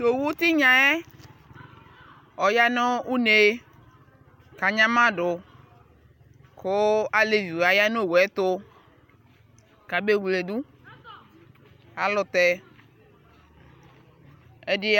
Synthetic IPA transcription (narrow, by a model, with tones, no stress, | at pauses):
to˨wu˦t̪ɪ˦ɲã˨ɛ˦ | ɔ˨ja˦no˦u˦ne˨ | ka˨ɲã˦mã˦dʊ˨ | kʊ˦a˨le˨vi˨wa˨ja˦no˦˨wɛ˨˦t̪ʊ˦ | ka˨be˦˨wu˨le˨du˦ | a˨lʊ˨t̪ɛ˨ | ɛ˦dɪ˦